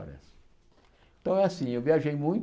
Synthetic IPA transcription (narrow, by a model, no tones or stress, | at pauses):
ɾɐ̰s | ẽt̪ɐ̃w̃ɛasĩewviaʒejmũj̃t̪